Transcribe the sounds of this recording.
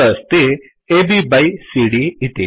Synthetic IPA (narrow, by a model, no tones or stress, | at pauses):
ɐst̪i | ebibɐjsiɽiit̪i